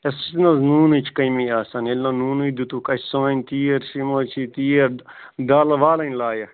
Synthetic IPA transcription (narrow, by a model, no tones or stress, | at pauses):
est͡ʃnɐznuːnut͡ʃʰkɐjmiaːsɐnelːɐnuːnud̪ut̪ukɐt͡ʃʲsaːnʲt̪iːeɾʃimoːt͡ʃʰit̪iːeɾ | d̪aːlɐʋaːlɐnʲlaːjɐ